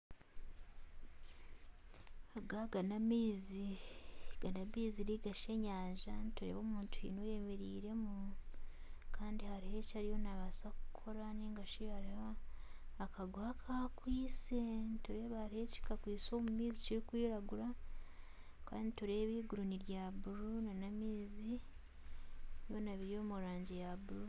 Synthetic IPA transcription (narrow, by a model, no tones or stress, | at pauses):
aɡaɡanamiːzi | ɡanaβiːziɾiɡaʃeɲaːɲʒanituɾḛːβoːmuːntuhḭnoje̞me̞ɾiːɾe̞mu | kaːndihaɾihe̞caɾijo̞naβasaku̥kʰo̞ɾaniːŋɡaʃijhaɾihaː | kʰaɡuhakʰakwiːse̞ntoɾe̞ːβahaɾiheci̥kakwiːso̞ːmumiːziciɾikwiːɾaɡuɾa | ka̰ːnditoɾe̞ːβiːɡuɾuniɾjaːβuɾunanamiːzi | jo̞naβiɾjo̞ːmuɾaːɲɟejaβuɾu